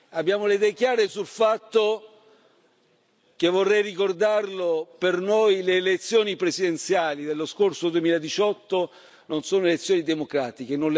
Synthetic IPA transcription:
abːjaːmoled̪ɛːkjaːɾesulfat̪ːo | kevːorːɛjrikord̪arlopernojleːlet̪sːjoːnipɾesid̪ent̪sjaːlid̪elːoskorsod̪uemiːlaed̪it͡ʃɔt̪ːo | nonsoːnoelet̪sːjoːnid̪emokɾaːt̪ik̟enonl

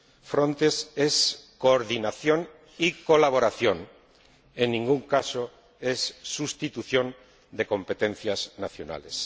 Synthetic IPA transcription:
fɾõnt̪eseskoɾðinaθjon | ikolaβ̞oɾaθjon | enːĩŋɡuŋkaso | esːust̪it̪uθjõ̞n | d̪e̞kõ̞mpet̪ẽnθjaznaθjona̰les

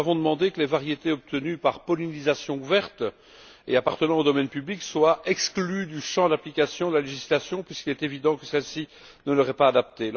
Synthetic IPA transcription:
avɔ̃d̪əmɑ̃d̪ekəlevaʁjet̪eɔp̚t̪ənypaʁpɔlinizasjɔ̃uvɛʁt̪ | ḛapaʁt̪ənɑ̃od̪ɔmɛnpyblikswaɛksklyd̪yʃɑ̃d̪aplikʲasjɔ̃d̪əlaleʒislasjɔ̃pɥiskʲilɛt̪evid̪ɑ̃kəsɛlsi | nələʁɛpaːd̪ap̚t̪e

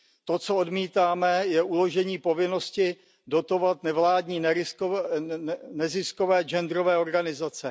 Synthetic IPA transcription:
t̪o̞t͡soo̞dmiːt̪aːmɛjɛʔulo̞ʒɛɲiːpo̞vɪnoscɪ | do̞t̪o̞vat̪nɛvlaːdɲiːnɛ | nɛzɪsko̞vɛːd͡ʒɛnd̪ɾovɛːoɾɡanɪzat͡sɛ

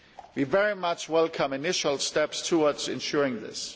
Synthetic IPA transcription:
wivɛɹimʌt͡ʃwɛlˠkʰʌ̃mɨnɪʃəlˠstɛpstʰuədz̥ɪ̰̃nʃʊɹɪ̃ŋðɪ̰s

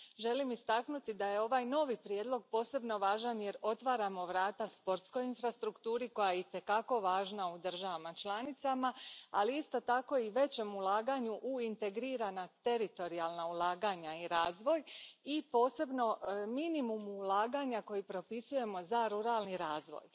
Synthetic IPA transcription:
ʒe̞limist̪aknut̪id̪aje̞o̞ʋajno̞ʋipɾjed̪lˠo̞ɡ̚po̞ːse̞bno̞ʋaːʒanje̞ɾo̞t̪ʋaːɾamo̞ʋɾaːt̪aspo̞ɾt̪sko̞jinfɾast̪ɾukt̪uːɾiko̞jajeit̪e̞kako̞ʋaːʒnaud̪r̩ʒaʋamat͡ʃlˠanit̪samaaliist̪o̞t̪ako̞iʋe̞t͡ɕe̞mulˠaːɡaɲuʔuint̪e̞ɡɾiːɾanat̪e̞ɾit̪o̞ɾialˠnaulˠaːɡaɲaiɾaːzʋo̞jipo̞ːse̞bno̞minimumuːlˠaːɡaɲako̞jipɾo̞pisuje̞mo̞zaɾuɾaːlniɾaːzʋo̞̰j

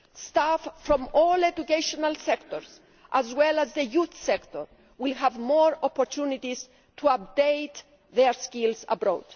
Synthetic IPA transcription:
staffɹɔ̃mɔlɛdukeʃɔnalsɛkt̪ɔɹs | ʔæzwɛlazðəjuθsɛkt̪ɔɹ | wilɦævmɔɹɔpɔɾt̪ʰunit̪is | t̪ʰuap̚d̪ejt̪ | ðɛɹskilsə̰bɾo̰d̥

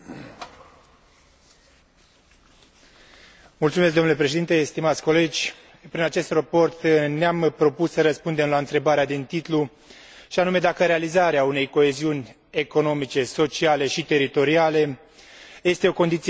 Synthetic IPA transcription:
mult̪umes̬k̚d̪omnule̞pɾe̞ʃeint̪e̞st̪imat̪sʲko̞le̞d͡ʒʲ | pɾinat͡ʃe̞st̪rapo̞rt̪neampɾo̞pusːəɾəspund̪emlaɨnt̪ɾe̞baɾead̪int̪it̪lu | ʃianume̞d̪akəɾealizaɾeaune̞jko̞e̞ziunʲ | e̞ko̞no̞mit͡ʃe̞so̞t͡ʃiale̞ʃit̪e̞ɾit̪o̞ɾiale̞ | je̞st̪e̞o̞ko̞nd̪it̪s

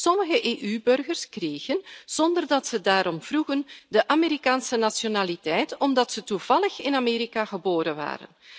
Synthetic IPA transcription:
sɔməɣəʔeːʔybɵrɣərskreːɣənz̥ɔndərdɑtsədaːɾɔmv̥ruɣəndəʔameɾikaːnsənasjonaːlitɛjtɔmdɑtsətuv̥ɑləxɪnameːɾikaɣəboːɾənʋa̰ːɾə̰n

